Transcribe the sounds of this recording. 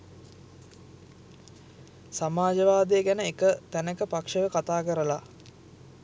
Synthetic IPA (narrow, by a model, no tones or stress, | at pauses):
samaːd͡ʒəʋaːd̪ejəɡænəekət̪ænəkəpakʂəʋəkat̪aːkəɾəla